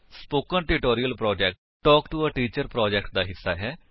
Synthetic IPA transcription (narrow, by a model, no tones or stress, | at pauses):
spoːkənʈɪʈoːɾijəlpɾɔːd͡ʒɛːk̚ʈ | ʈɔːkʈuəʈiːt͡ʃəɾpɾɔːd͡ʒɛːkʈ̚d̪aːɦɪsːa̰ːɦɛː